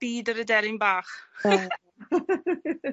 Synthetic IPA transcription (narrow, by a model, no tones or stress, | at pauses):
b̥iːdəɾədɛɾɪnbaːχ